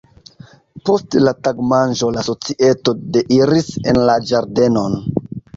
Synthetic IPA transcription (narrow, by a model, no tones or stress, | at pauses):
po̞stlataɡmanʒo̞laso̞t͡siʔe̞to̞deʔiɾisenlad͡ʒaɾde̞no̞n